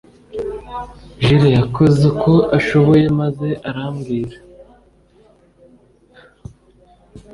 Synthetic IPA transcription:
ʒiɾajako̞ze̞kʰo̞ʔaʃo̞βo̞je̞maze̞ʔaɾaːmɡiːɾa

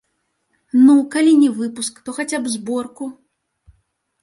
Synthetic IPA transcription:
nukalʲinʲɛvɨpuskt̪ɔxat͡sʲabzbɔrku

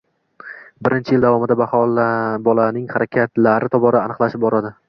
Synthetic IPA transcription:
bɪɾɪnt͡ʃʰɪjɪld̪avɒmɪd̪abahɒlbɒlanɪŋχaɾʔakʲʰat̪laɾɪt̪ʰɒbɒɾaːnɨqlˠaʃɪp̚bɒɾad̪ɪ

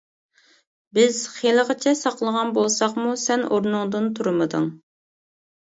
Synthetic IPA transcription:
bɪz̥χelˠəʁət͡ʃʰɛsɑqlˠəʁɑnbolˠsɑχmusɛnoɾnʊŋd̪ɨnt̪ʰuɾmɨd̪ɨ̰ŋ

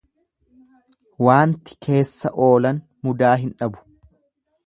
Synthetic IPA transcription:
waːnt̪ɪ̥kʰe̞ːsːɐ̰ʔo̞ːlɐn | mʊd̪aːɦɪnᶑɐbʊ̥

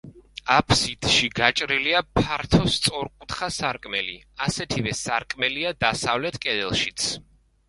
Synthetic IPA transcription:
apʰsit̪ʃiɡat͡ʃʼɾiliapʰaɾt̪ʰɔst̪sʼɔɾqʼut̪χasaɾkʼmɛlḭ | asɛt̪ʰivɛsaɾkʼmɛliad̪asavlɛt̪ʰkʼɛd̪ɛlˠʃit̪sʰ

